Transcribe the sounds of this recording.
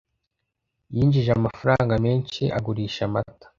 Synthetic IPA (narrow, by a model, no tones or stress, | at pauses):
jiːnd͡ʒiʒamafaɾaːŋɡameːnʃḭʔa̰ɡuɾiːʃamatḁ